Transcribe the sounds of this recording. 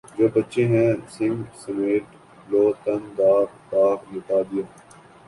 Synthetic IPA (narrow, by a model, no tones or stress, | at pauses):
d͡ʒoːbɐtːʃẽɦɛ̃sɪ̃ŋɡsɐmeːʈ | loːt̪ɐnd̪aːkd̪aːknɪt̪aːd̪ɪjaː